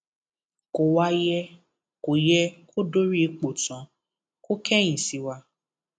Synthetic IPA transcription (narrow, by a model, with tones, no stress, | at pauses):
ko˨wa˧˦jɛ˧ | ko˨jɛ˧kʰo˦do˦ɾi˦˧˦k͡po˨tã˨˦ | ko˦kʰɛ˦j̃ĩ˨si˨˦wa˧